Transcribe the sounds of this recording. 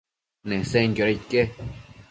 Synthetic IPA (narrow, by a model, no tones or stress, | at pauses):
nẽseŋɡʲoɾeke